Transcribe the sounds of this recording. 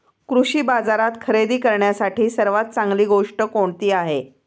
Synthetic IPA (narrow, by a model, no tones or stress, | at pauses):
kɾuɕiːbad͡zaɾat̪kʰəɾed̪iːkəɾɳjasaʈʰiːsəɾʋat̪̚t͡saŋɡliːɡoʂʈəkoɳt̪iːaɦe